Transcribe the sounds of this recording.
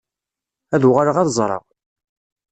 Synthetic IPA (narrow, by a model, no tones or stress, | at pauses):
æðuʁaɾəʁæðzˤɾˤə̰ʁ